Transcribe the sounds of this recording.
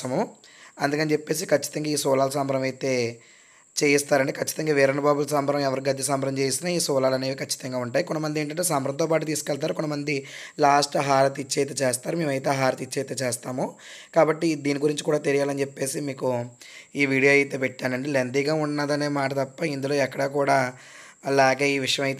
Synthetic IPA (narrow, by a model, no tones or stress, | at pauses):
ɐmuɐnd̪ukɐnt͡ʃepːe̞ːs̬ikɐt͡ʃːi̥t̪ɐŋɡaːiːsɔːlaːlɐsɐːmbɐɾɐmɐjt̪e̞ː | t͡ʃeːjist̪aːɾɐɳʈeːkʰɐt͡ʃːi̥t̪ɐŋɡaːʋeːɾɐnɐbaːbulɐsɐmbʱɐɾɐmɛʋɐɾiɡɐd̪jɐsɐːmbɐɾɐmt͡ʃeːjsinaːiːsɔːlaːlɐne̞ːʋikʰɐt͡ʃːi̥t̪ɐŋɡaːuɳʈaːjikɔnɐmɐnd̪ieːɳʈɐɳʈeːsɐmbɐɾɐmt̪oːpaːʈut̪̬iːsukɛɭt̪̬aːɾukɔnːɐmɐnd̪ilaːsʈɦaːɾɐt̪it͡ʃːeːjt̪eːt͡ʃeːst̪aːɾume̞ːmɐjt̪̬e̞ːɦaːɾɐt̪it͡ʃːejt̪eːt͡ʃeːst̪aːmu | kaːbɐʈːid̪iːniɡuɾiɲt͡ʃikuːɽaːt̪eɾijaːlɐnt͡ʃepːe̞ːsimiːku | iːʋiːɽijoːɐjt̪e̞ːpɛʈːaːnɐɳɖelend̪iːɡaːunːɐd̪ɐne̞ːmaːʈɐt̪ɐpːɐind̪ulo̞ːɛkːɐɽaːkuːɽaː | lɛːɡeːiːʋiʂjɐmɐjt̪